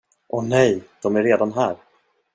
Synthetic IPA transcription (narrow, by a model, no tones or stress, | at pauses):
ʔɔnɛjd̪̥ɔmæɾːeːd̪anɦæːɾ